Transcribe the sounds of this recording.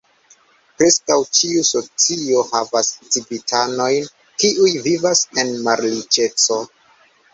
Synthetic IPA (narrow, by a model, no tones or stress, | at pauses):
pɾe̞skawt͡ʃiuso̞t͡sio̞havast͡sibitʰano̞jn | kiujvivase̞nmaɾlit͡ʃe̞t͡so̞